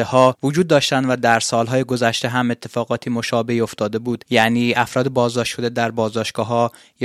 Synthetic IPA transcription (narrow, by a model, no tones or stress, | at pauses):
ehɒːvod͡ʒuːd̪ːɒːʃt̪ænd̪væd̪æɾsɒːlɦɒːjeɡo̞zæʃt̪e̞ɦæme̞t̪ʰːe̞fɒːɣɒːt̪ʰiːmo̞ʃɒːbe̞io̞ft̪ɒːd̪e̞buːd̪̥jæniːæfɾɒːd̪ebɒːzd̪ɒːʃt̪ʃo̞d̪ed̪æɾbɒːzd̪ɒːʃtɡ̥ɒːɦɒː | j